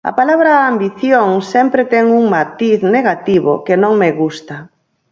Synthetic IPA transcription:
ɐ̰palaβɾaːmbiθjoŋsɛmpɾɪt̪ɛŋuŋmat̪iθneɣat̪iβo̰kenõŋmeɣust̪a

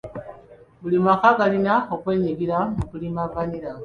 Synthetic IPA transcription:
bulimakaɡalinaokwe̞ːɲiɡiɾamukulimavaniɾa

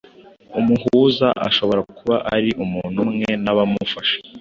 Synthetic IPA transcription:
umuhuzaʔa̰ʃo̞βo̞ɾakuβaʔaɾiʔumuːn̤̥umŋe̞naβamufaʃe̥

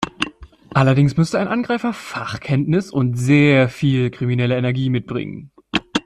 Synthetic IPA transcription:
ʔalɐdɪŋsmʏstəaɪnʔanɡʁaɪfɐfaχkʰɛntnɪsʊntz̥eːɐfiːlkʁ̥iminɛləɛnɛɐɡiːmɪt̚b̥ʁɪ̰ŋə̰n

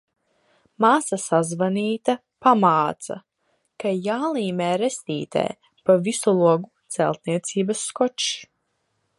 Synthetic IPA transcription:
maːsasazvaniːt̪a | pamaːt̪sa̰ | kajaːlˠiːmɛːɾest̪iːt̪ḛː | pavisɔlˠuɔɡut̪sɛ̰lˠt̪̚niɛt̪siːbasːkɔt͡ʃ

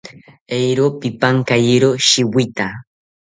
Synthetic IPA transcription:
ejɾopɪpaŋkajɪɾoʃɪwɪt̪a

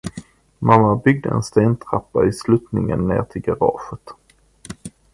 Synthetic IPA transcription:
mamːabʏɡ̚d̪əɛ̰nst̪eːnt̪ʰɾapːaɪslʉːt̪nɪŋənːeːʁt̪ʰɪlɡaɾɑ̰ːʂət̪

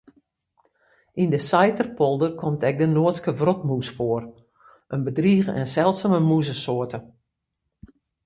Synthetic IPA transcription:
ʔindəsajtərpɔlˠdərkʰɔmtɛk̚dənoətskəvrɔtmusfoər | ənbədriəɣəʔɛ̰nsɛlˠtsaməmuzəsoətə

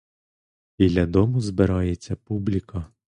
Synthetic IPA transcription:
b̥ʲilʲɐd̪ɔmʊzbɪɾɑjet͡sʲːɐpublʲikɐ

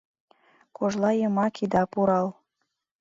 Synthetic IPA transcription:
koʒlɑjəmɑkid̪ɑpuɾɑl

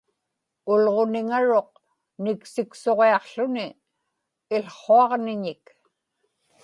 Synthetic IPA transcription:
ʊlʁo̞nɪŋaɻo̞q̚ | nɪksɪkso̞ʁeɑqɬʊnɪː | lχoɑʁnɪɲɪk

